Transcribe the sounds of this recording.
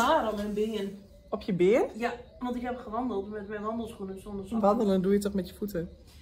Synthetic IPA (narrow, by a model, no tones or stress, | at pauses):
aːɾəmɛnbɪən | ɔpjəbɪənja | ʋɑntɪkɦɛpχəʋɑndəlˠtmɛtmɛjnʋɑndəlˠsχunənsɔndəsʋɑndələndujətɔχmɛtjə̥futə